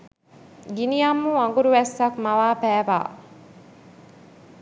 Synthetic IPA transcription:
ɡinijamːuɐŋɡuɾuʋɛsːɐkmɐʋaːpæːʋa̰ː

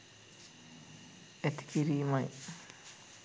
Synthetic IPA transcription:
ɛt̪i̥kiɾiːmaj

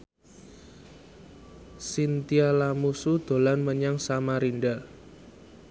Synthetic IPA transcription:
sint̪ialamusud̪̥o̤lanməɲaŋsamaɾinɖa

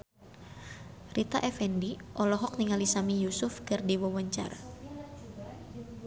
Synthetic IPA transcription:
rit̪a̰ʔɛfɛndiʔɔlɔɦɔk̚niŋalisamijusʊfkɨrdiwɔwaɲt͡ʃa̰ra

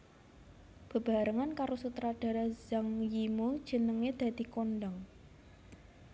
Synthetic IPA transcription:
b̥ə̤b̥a̤ɾəŋankaɾosut̪ɾaɖ̥a̤ɾaz̥aŋjimud̥ʒ̥ə̤nəŋed̪̥a̤d̪̥i̤konɖaŋ

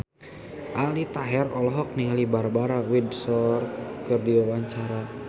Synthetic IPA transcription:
ʔalit̪aɦɛrɔlɔɦɔk̚nilibarbaɾawidsɔr̚kərdiawaɲt͡ʃaɾa

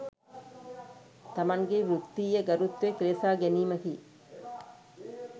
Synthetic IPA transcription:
t̪ɐmɐŋɡeʋɾut̪ːiːjəɡɐɾut̪ːekɾeːfaːɡeniːmək̪iː

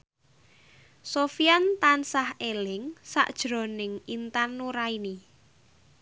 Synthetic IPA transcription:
sofiant̪ansahelɪŋsa̰ʔd̥ʒ̥ɾo̤nɪŋint̪anːuɾaini

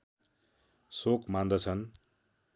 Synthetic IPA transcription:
sokmand̪ʌt͡sʰʌn

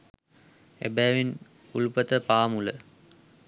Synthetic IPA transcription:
ḛbæjʋin | ulupət̪əpaːmulə

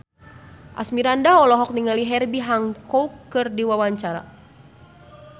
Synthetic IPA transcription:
ʔa̰smiɾandaɔlɔɦɔk̚niŋaliɦɛrbiɦaŋkʰɔukːɨrdiwawaɲt͡ʃaɾa̰

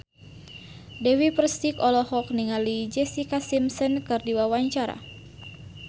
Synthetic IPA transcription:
dɛwipəɾst̪ikɔlɔhɔk̚niŋalid͡ʒɛsikasimsɔnkɨrdiwawaɲt͡ʃaɾa̰

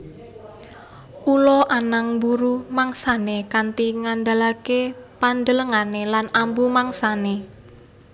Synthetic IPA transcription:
ʔulɔʔanaŋbuɾumaŋsanekant̪iŋand̪alakepand̪ələŋanelanambumaŋsane

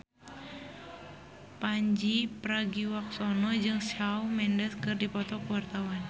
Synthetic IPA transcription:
paɲd͡ʒipɾaɡiwak̚sɔnɔd͡ʒɨŋsawmɛndəskɨrdipɔt̪ɔkəwart̪awan

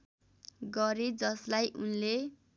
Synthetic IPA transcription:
ɡʌɾed͡zʌslajʔunle

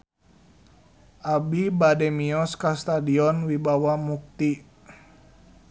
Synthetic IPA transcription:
ʔabibadɛmiɔskast̪adiɔnwibawamuk̚t̪i

